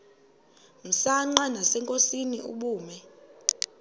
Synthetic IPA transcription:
m̩saŋ͡ǃanasɛŋkʼosiniʔṵɓuːmɛ

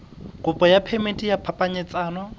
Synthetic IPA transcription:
kʼʊpʼɔjapʰɛmetʼijapʰapʼaɲɛt͡sʼaːnɔ

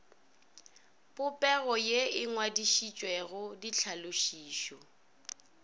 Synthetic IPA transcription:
pʼʊpʼɛɣɔjeɪŋwadiʃit͡ʃʼwɛɣʊdit͡ɬʰaloʃiːʃɔ

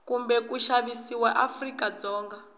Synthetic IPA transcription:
kumbɛkuʃaβisiwaʔafrikad͡zɔːŋɡa

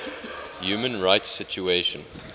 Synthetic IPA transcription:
juːmə̃nɹaɪtsɪt͡ʃueʃə̃n

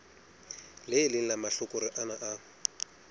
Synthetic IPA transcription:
lɪːlɪn̩lamaɬʊkʼʊɾɪʔanaʔa

